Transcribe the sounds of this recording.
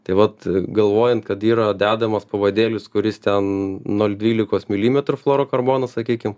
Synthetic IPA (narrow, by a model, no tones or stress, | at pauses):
t̪ɐɪʋɐt̪ɡɐlˠʋoːjɛnt̪kɐt̪iːɾɐd̪ʲæːd̪ɐmɐspɐʋɐd̪ʲeːlʲʊskʊɾʲɪst̪ʲɛnnoːlʲd̪ʲʋʲiːlʲɪkoːsmʲɪlʲiːmʲɛt̪ɾʊflˠoːɾoːkɐrboːnɐssɐkʲiːkʲɪm